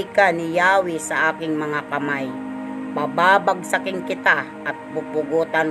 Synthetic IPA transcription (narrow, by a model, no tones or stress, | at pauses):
jkanɪjaːwɪsɐʔaːkɪŋmɐŋakɐmaj | pabaːbaɡ̚sɐkɪŋkɪt̪a | ʔɐt̪̚pʊpʊɡuːt̪an